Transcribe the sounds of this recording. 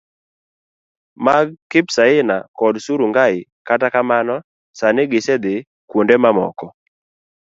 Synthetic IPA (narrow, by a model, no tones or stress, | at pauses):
maɡ̚kɪpsaɪna̰kɔdsuɾuŋɡaɪ | katakamanɔ | sanɪɡɪsɛd̪ɪ | kwondemamɔ̰kɔ